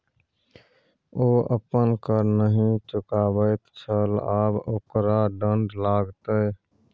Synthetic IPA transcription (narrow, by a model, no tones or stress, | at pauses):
oʔə̰pənkəɾnəɦĩt͡ʃʊkabəɪt̪t͡ʃʰəlaːboːkɾaɖəɳɖlaɡt̪ə